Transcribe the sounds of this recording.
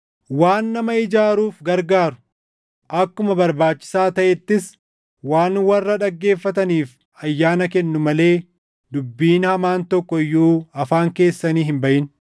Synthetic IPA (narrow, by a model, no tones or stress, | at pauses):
waːnːɐmɐɪd͡ʒaːɾuːfɡɐɾɡaːɾʊ̥ | ʔɐkːʊmɐbɐɾbaːt͡ʃːɪ̥saːt̪ɐʔɛt̪ːɪs | waːnwɐrːɐᶑɐɡːe̞ːfːɐt̪ɐniːf | ɐjːaːnɐkɛnːʊmɐle̞ː | d̪ʊbːiːnhɐmaːnt̪ɔkːɔɪjːuːɐfaːŋke̞ːsːɐniːhɪmbɐʔɪn